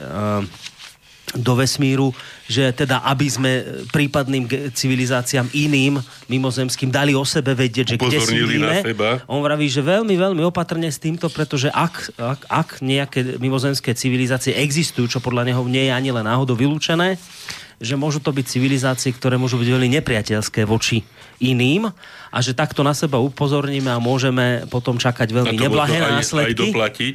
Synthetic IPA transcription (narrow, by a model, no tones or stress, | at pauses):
d̪ɔʋɛsmiːɾuʒɛt̪ɛd̪aʔabizmɛpɾiːpad̪niːmɡt͡siʋilizaːt͡siaːminiːmː | imɔzɛmskiːmd̪aliɔsɛbɛʋɛɟɪɛɟʒɛɡɟɛiiːnmɛɛbaʔɔnʋɾaʋiːʒɛʋɛlmiʋɛlmiɔpat̪r̩ɲɛst̪iːmt̪ɔpɾɛt̪ɔʒɛʔakaakɲɛakɛmimɔzɛmskɛːt͡siʋilizaːt͡siɛʔɛɡzist̪ujuːt͡ʃɔpɔd̪ʎaɲɛɦɔɲɪɛjɛaɲilɛnːaːɦɔd̪ɔʋiluːt͡ʃɛnɛː | ʒɛmʊɔʒuːt̪ɔbic̚t͡siʋilizaːt͡siɛkt̪ɔɾɛːmʊɔʒubiɟʋɛlmiɲɛpɾɪacɛʎskɛːʋɔt͡ʃi | iniːm | ʔa̰ʒɛt̪akt̪ɔnasɛbaupɔzɔɾɲiːmɛamʊɔʒɛmɛpɔt̪ɔmt͡ʃakaɟʋɛʎmiɲɲɛblaɦɛːnaːslɛd̪ilaci